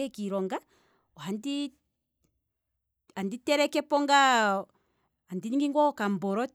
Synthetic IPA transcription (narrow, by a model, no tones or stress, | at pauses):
ɛkiɾɔŋɡa | ɔhandi | anditɛɾɛkɛpɔŋɡa | andiɲiŋɡiŋɡwɔkambɔɾɔ